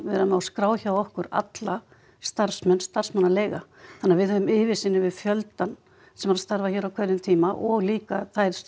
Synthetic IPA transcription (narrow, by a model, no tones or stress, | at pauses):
vɛːɾamawskɾaːwçawɔhkʏɾa̰t̪la | st̪aɾ̥fsmɛnst̪ar̥smanːaleːjɣaθanːavɪðhœːvʏmɪːvɪsɪnːɪvɪðfjœlt̪an | sɛmaɾast̪aɾvaçɛːɾawkʰvœðʏmt̪ʰiːmaʔɔɣliːkaθajɾ̥